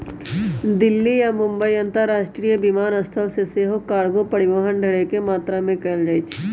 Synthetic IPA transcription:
d̪ɪlːijamʊ̃mbəiɐ̃nt̪əɾːaːʃʈɾijəbimaːnəst̪ʰəʋseseːɦokaːɽɡopɐɽɪʋəɦənɖʱɐɽekemaːt̪ɾamẽkɛld͡ʒaːet͡ʃʰː

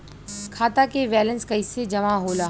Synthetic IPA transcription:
kʰaːt̪akeʋɛːlə̃nskaɪsed͡ʒɐʋãɦoːlaː

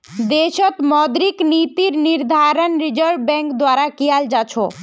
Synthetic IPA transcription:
d̪eʃot̪mɔd̪ɾiknit̪iɾniɾd̪ʱaɾonɾid͡ʑəɾɖbɛŋkd̪waɾakiald͡ʑat͡ɕʰo

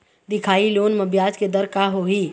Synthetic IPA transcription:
d̪ɪkʰaːiloːnmɐbjaːd͡ʒked̪ɐɾkaɦoːɦiː

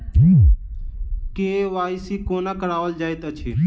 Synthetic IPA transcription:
keːʋaːisikoːnakəɾaːʋəld͡ʒaːet̪ət͡ʃʰe

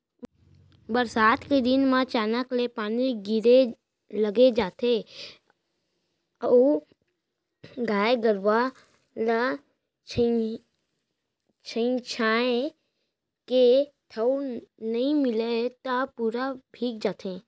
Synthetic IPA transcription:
bəɾsaːt̪ked̪ɪnmãt͡ʃaːnaklepaːniɡɪɾe | ləɡed͡ʒaːt̪ʰe | ɡaːeɡəɾʋa | la | t͡ʃʰə | t͡ʃʰə̃t͡ʃʰaːẽ | ket̪ʰəwnɐɦĩmɪlet̪apuːɾabʱiːk̚d͡ʒaːt̪ʰẽː

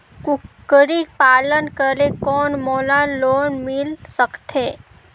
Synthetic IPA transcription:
kʊkːəɾipaːlənkəɾekɔːnmoːlanloːnmɪlsəkt̪eː

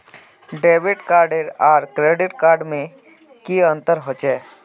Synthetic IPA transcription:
ɖeːʋɪʈkaːɾɖeɾaːɾkɾeːɖɪʈkaːɾɖmẽ | kiə̃nt̪əɾɦot͡ʃɛː

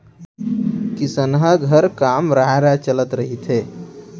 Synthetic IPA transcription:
kisənɦəɡʱəɾkamɾaɦeɾat͡ʃələt̪ɾəɦit̪ʰe

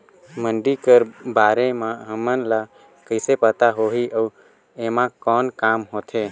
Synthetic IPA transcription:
məɳɖikəɾbaːɾemãɦəmənla | kəɪsepət̪aɦoɦiʔə | emãkɔːnkaːmɦoːt̪ʰe

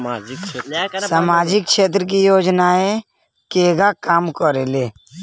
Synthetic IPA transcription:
ssamaːd͡ʒɪkʃeːt̪̬ɾək̬ijoːd͡ʒnae | keːɡakaːmkəɾeleː

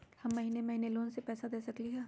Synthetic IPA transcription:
hɐmːɐɦiːnemɐɦiːneloːnsepɛːsad̪eːsɐkliɦɛː

